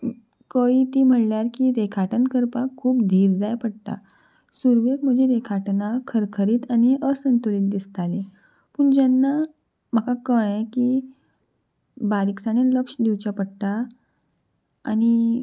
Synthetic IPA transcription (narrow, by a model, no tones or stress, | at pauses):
kəit̪iːm̤əʈljaɾkiːɾekʰaʈənkəɾpakʰːuːpd̪ʱiːɾd͡zajpəɽt̪a̰ | suɾʋekm̤əd͡ʑʱeɾekʰaʈnakʰəɾkʰəɾiːt̪añiəsənt̪uɭiːt̪̚d̪ist̪ale | puːɳd͡ʑanːa | m̤əkakəɭẽki | baɾiksañeləkʂd̪iʋt͡ɕapəɽt̪a | a̰ñi